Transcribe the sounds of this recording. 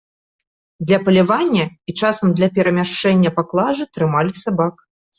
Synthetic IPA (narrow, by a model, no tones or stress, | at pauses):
d̪lʲɐpɐlʲavanʲːɐit͡ʂasɐmd̪lʲɐpʲɛɾɐmʲaʂt͡ʂɛnʲːɐpaklˠaʐɨt̪ɾɨmalʲisabak